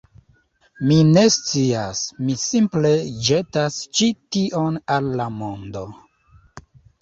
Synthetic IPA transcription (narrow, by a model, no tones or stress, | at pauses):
mine̞st͡siasmisimple̞d͡ʒe̞tast͡ʃitiʔo̞nalːamo̞ndo̞